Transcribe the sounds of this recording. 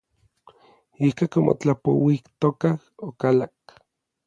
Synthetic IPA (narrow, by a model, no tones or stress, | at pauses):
ikakomo̰t͡ɬapo̰wikt̪okahokalak